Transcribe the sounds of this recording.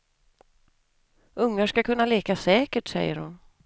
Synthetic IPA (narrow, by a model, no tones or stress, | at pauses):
ɵŋːaʂkakʰɵnːaleːkasɛːkəʈsɛ̰jːə̰ɾhʊn